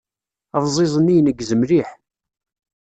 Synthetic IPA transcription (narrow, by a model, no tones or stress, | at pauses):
əvzˤɪzˤənijnəɡzəmɾiħ